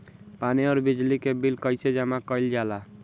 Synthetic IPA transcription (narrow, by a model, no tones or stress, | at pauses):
paniɔːɾbid͡ʒlikebilkəɪsed͡ʒəmakəjld͡ʒala